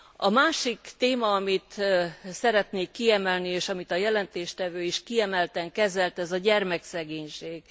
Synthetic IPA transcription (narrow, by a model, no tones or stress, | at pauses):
ɒmaːʃikt̪eːmɒːɒmit̪sɛɾɛt̪neːkːiɛmɛlnieːʃɒmit̪ɒjɛlɛnt̪eːʃt̪ɛvøːiʃkiɛmɛlt̪ɛŋkɛzɛlt̪ɛzɒɟɛrmɛksɛɡeːɲʃeːɡ̥